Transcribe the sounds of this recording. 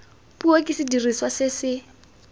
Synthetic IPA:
puokʼɪsɪdiriswasɪsɪ

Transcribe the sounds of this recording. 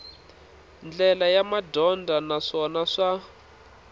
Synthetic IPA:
nd͡ɮɛlajamadɔndʱanaʂɔnaʂa

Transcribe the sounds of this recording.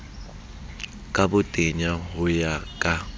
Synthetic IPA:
kʼabʊtʼeɲaɦʊjakʼa

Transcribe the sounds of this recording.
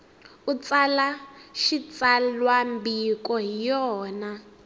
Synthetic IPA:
ut͡sʼalaʃit͡salwambikɔijɔːna

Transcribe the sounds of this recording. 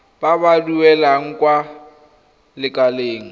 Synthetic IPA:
babaduɛlaŋ̩kʼwa | lɪkʼaleːŋ̩

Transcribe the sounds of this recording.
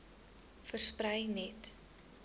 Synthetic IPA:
fərsprəjnɛt

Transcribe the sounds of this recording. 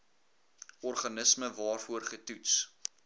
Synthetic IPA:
ɔrχɐnəsməvɑːrfuərχətuts

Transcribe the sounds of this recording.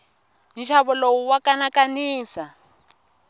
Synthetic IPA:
nʃʰaβɔlowuwakanakaniːsa

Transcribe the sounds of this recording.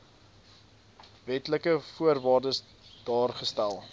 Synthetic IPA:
vɛtləkəfuərvɑːrdəs | d̥ɑːrχəstælˠ

